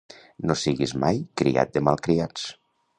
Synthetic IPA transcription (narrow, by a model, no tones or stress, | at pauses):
nosiɣizmajkɾḭa̰t̪̚d̪əmalˠkɾiat͡s